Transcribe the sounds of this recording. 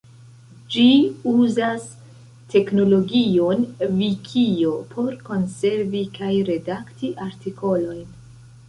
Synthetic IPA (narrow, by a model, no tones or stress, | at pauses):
d͡ʒiuzas | te̞kno̞lo̞ɡio̞nvikʰio̞pʰo̞ɾko̞nse̞ɾvikʰajɾe̞daktiʔaɾtikʰo̞lo̞jn